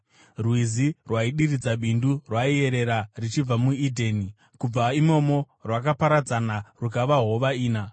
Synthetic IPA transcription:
rwizirwaiɗirid͡zaɓindurwaie̞ɾe̞ɾarit͡ʃib͡vamuidʱeni | kub͡vaimo̞mo̞ | rwakapaɾad͡zanarukaʋaɦo̞ʋaiːna

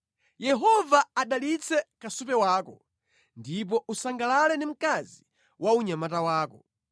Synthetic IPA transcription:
jɛɦɔvaaɗalit͡sʰɛkasupɛwaːkɔ | ndip̬ɔʔusaŋɡalalɛndim̩kazi | wauɲamatawaːkɔ

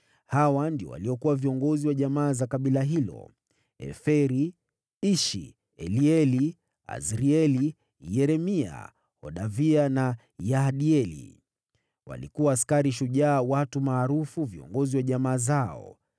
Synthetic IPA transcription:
hawandiɔ̰wa̰liɔkuwaviɔŋɡɔziwaʄamaːzakaɓilaɦilɔ̰ | ɛ̰fɛɾi | iʃḭ | ɛliɛli | a̰zɾiɛli | jɛɾɛmia̰ | hɔɗaviana | jaɗiɛlḭ | wa̰lḭkuwaːskaɾiʃ̬uʄaːwatumaːɾufuviɔ̰ŋɡɔziwaʄamaːzaɔ̰

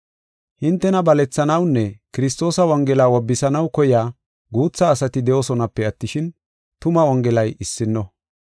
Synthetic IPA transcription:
hɪnt̪ːɛnɐbɐlɛt͡sːɐnɐwnːɛkɪɾɪs̬t̪o̞ːsɐwɐŋɡɛlaːwɔbːɪsɐnɐwkɔjaː | ɡuːt͡sːɐːsɐt̪ɪd̪ɛʔosɔnɐpːɛɐt̪ːɪʃɪn | t̪ʊmɐwɔŋɡɛlɐjɪsːɪnːɔ

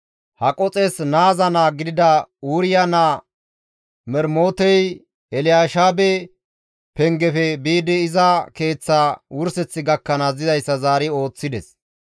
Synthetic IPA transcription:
hɐkʼɔt͡sʼɛsnaːzɐnaːɡɪd̪ɪd̪ɐuːɾɪjanaː | mɛɾmoːt̪ɛj | ɛlɪjaːʃaːbɛ | pɛŋɡɛfɛbiːd̪ɪːzɐke̞ːt͡sːawʊɾsɛt͡sːɪɡɐkːɐnaːzɪzɐjsːɐzaːɾɪo̞ːt͡sːɪd̪ɛs

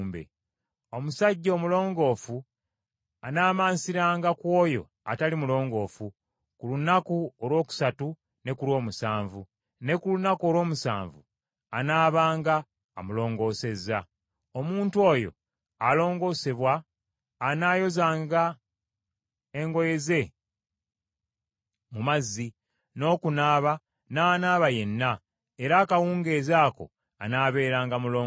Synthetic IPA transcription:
mbḛ | o̞musaɟːo̞ːmulo̞ːŋɡo̞ːfu | anaːmaːnsiɾaːŋɡakwo̞ːjo̞̰ | a̰talimulo̞ːŋɡo̞ːfu | kulunakuolwo̞ːku̥satu | ne̞kulwo̞ːmusaːɱvu | ne̞kulunakuo̞lwo̞ːmusa̰ːɱvu | anaːβaːŋɡaː | mulo̞ːŋɡo̞ːse̞zːa | omuːntuo̞ːjo̞̰ | alo̞ːŋɡo̞ːse̞βwaː | naːjo̞zaːŋɡa | eŋɡo̞je̞ze̞ | mumazːi | no̞ːkunaːβa | naːnaːβaje̞nːa | e̞ɾaːkawuːŋɡe̞ːzaːko̞̰ | a̰naːβe̞ːɾaːŋɡamuloː

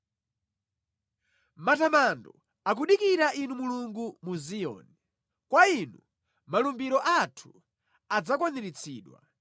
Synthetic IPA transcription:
matamandɔ | ak̬uɗikiɾaʔinumuluŋɡumuzijɔ̰ːnɛ | kwainṵ | malumbiɾɔʔatʰu̥ | ad͡zakɔniɾit͡sʰiːɗwa̰

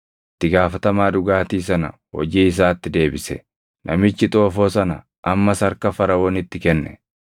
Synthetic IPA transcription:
ɪt̪ːɪɡaːfɐt̪ɐmaːᶑʊɡaːt̪iːs̬ɐnɐ̰ | wɔ̰d͡ʒiːɪs̬aːt̪ːɪd̪e̞ːbɪsɛ | nʔɐmɪt͡ʃːɪt̪ʼoːfo̞ːsɐnɐ̰ | ʔɐmːɐsɐɾkɐfɐɾɐwoːnɪt̪ːɪkɛnːɛ̰

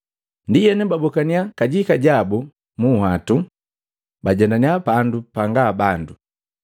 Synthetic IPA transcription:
ndijɛnɛbabɔkaniakaɟikaɟabu | muhatu | baɟɛndaniapandupaŋɡabandu

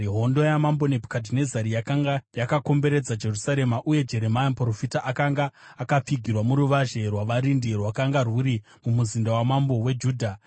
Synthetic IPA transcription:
ɦo̞ndo̞jamambo̞ne̞bʱkadʱine̞zaɾijakaŋɡajakako̞mbe̞ɾe̞d͡zad͡ʒe̞rusaɾe̞maʔuje̞d͡ʒe̞ɾe̞majampro̞fitaʔakaŋɡaːkap͡fiɡʱirwamuɾuʋaʒe̞rwaʋaɾindirwakaŋɡarwuɾi | mumuzindawamambo̞we̞d͡ʒuːdʱa

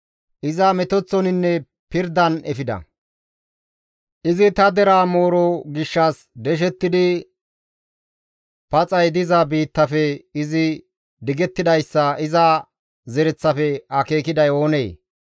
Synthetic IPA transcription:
ʔɪzɐmɛt̪ɔt͡sːɔnɪnːɛ | pɪɾd̪ɐnɛfɪd̪ɐ̰ | ʔɪzɪt̪ɐd̪ɛɾaːmo̞ːɾɔɡɪʃːɐs | d̪ɛʃ̬ɛt̪ːɪd̪ɪ | pɐt͡sʼɐjd̪ɪzɐbiːt̪ːɐfɛɪzɪ | d̪ɪɡɛt̪ːɪd̪ɐjsːɐɪzɐ | zɛɾɛt͡sːɐfɛɐkeːkɪd̪ɐjo̞ːnḛː

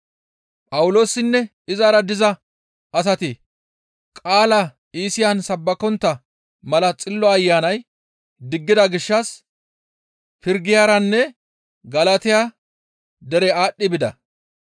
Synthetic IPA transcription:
pʼɐwʊlo̞ːsːɪnːɛ | ɪzaɾɐd̪ɪzɐ | ɐs̬ɐt̪ɪ | kʼaːlɐ | iːsɪjansɐbːɐkɔnt̪ːɐ | mɐlɐt͡sʼɪlːɔɐjːaːnɐj | d̪ɪɡːɪd̪ɐɡɪʃːɐs | pɪɾɡɪjaːɾɐnːɛ | ɡɐlɐt̪ɪja | d̪ɛɾɛaːɗːɪbɪd̪ɐ̰

